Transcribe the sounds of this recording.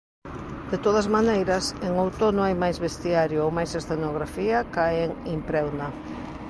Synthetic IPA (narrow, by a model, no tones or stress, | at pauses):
d̪̥et̪oðɐzmanejɾɐseŋowt̪onõŋajmajzβest̪iaɾjʊowmajsesθenoɣɾafiɐkaeŋimpɾɛwnɐ